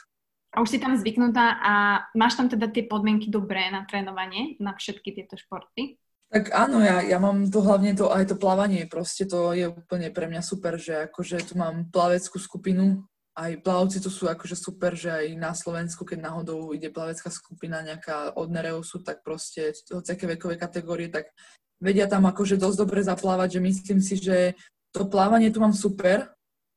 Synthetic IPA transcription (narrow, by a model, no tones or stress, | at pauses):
ʔauʃsit̪amzʋiknut̪aːʔamaːʃt̪amt̪ɛd̪at̪ɪɛpɔd̪mɪɛŋkid̪ɔbɾɛːnat̪ɾɛːnɔʋaɲɪɛnafʃɛt̪kit̪ɪɛt̪ɔʃpɔɾt̪i | t̪aɡaːnɔjajamaːmt̪̬ɔɦlaʊɲɛt̪̬ɔʔajt̪ɔplaʋaɲɪɛpɾɔscɛt̪ɔjɛuːpl̩ɲɛpɾɛmɲasupɛɾʒɛakɔʒɛt̪umaːmplaʋɛt͡skuːskupinu | ajplaɔʊt͡sit̪ɔsuːakɔʒɛsupɛɾʒɛajnaslɔʋɛnskukɛɟnaɦɔd̪ɔʊiɟɛplaʋɛt͡skaːskupinaɲɛakaːʔɔd̪nɛɾɛɔsut̪ak̚pɾɔscɛɦɔt͡sɪakɛʋɛkɔʋɛkat̪ɛɡɔːɾiɛt̪aɡ | ʋɛɟɪat̪amakɔʒɛd̪ɔzʲd̪ɔbɾɛzaplaːʋaɟʒɛmisliːmsiʒɛ | t̪ɔplaːʋaɲɪɛt̪umaːmsupɛɾ